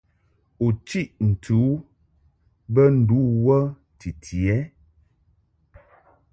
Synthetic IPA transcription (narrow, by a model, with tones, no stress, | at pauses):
u˨t͡ʃi˦ʔn̩˨tʰu˨˦ | bə˦n̩˨du˨˦wə˦ | ti˨tʰi˨ɛ˨˦